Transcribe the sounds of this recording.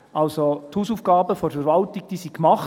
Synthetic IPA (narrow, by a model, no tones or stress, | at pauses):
ʔɑlsothuːsuːfɡ̥ɑːbəfɔɾfəɾvɑltɪɡ̚d̥iːsikmɑχ